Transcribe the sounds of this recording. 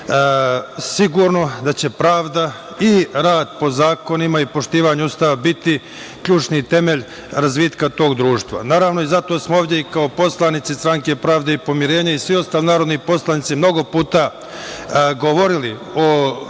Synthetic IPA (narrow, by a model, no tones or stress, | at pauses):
siɡuːɾno̞d̪at͡ɕe̞pɾaːʋd̪a | iɾaːd̪po̞zaːko̞nimaipo̞ʃt̪iːʋaɲeust̪aːʋabit̪i | kʎuːt͡ʃnit̪e̞me̞ʎ | ɾazʋiːt̪kat̪o̞ːɡd̪ɾuːʃt̪ʋa̰naːɾaːʋno̞izat̪o̞smooːvd̪ʲjeikaopo̞slˠanit̪sist̪ɾaŋke̞pɾaːʋd̪eipo̞miɾe̞ːɲaisʋio̞st̪aːlinaːɾo̞d̪nipo̞slˠanit̪simno̞ɡo̞puːt̪a | ɡo̞ʋoɾili | o